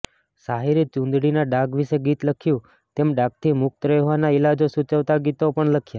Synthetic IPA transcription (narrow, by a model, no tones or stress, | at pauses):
saɦiɾit͡ʃũnd̪ɽinaɖaɡʋiʃeɡit̪ləkʰjũ | t̪emɖak̚t̪ʰimʊk̚t̪ɾəjʋanailad͡ʒosut͡ʃəʋt̪aɡit̪opəɳləkʰja